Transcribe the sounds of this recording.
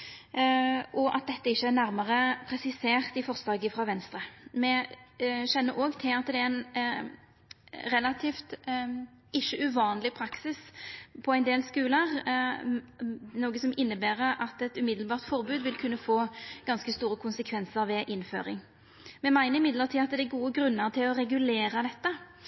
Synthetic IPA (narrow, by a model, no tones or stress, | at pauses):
ɔʔɑ̰t̪̚d̪ɛt̪ːəɪçːəæʁnæʁməʁəpʰʁɛsɪseːʁt̪ɪfɔʁsd̪ɑːɡɪfʁɑːʋɛnst̪ʁəmɛ | ɕɛnːəɾoːɡt̪ʰɪlɑt̪d̪ɛæɛɪn | ʁɛlɑt̪ʰiːft̪ | ɪʃːəʔʉʋɑːnlɪpʰɾɑksɪspʰɔæɪnd̪eːlskʉːləʁ | noːɡəsɔmɪnːəbæːʁəʔɑt̪ɛt̪ʉmɪd̪l̩bɑːʁt̪fɔʁbʉːd̪ʋɪlkʰʉnːəfoːɡ̥ɑnskəst̪uːʁəkʰʊnsəkʰʋɛnsəʁʋɛːʔɪnfø̰ːʁɪ̰ŋ | mɛmæɪnəɾɪmɪd̪ləʁt̪iːɑt̪̚d̪ɛɛɡuːəɡɾʉnːəʁt̪ʰɪlɔʁɛɡʉleːʁɑd̪ɛt̪ːə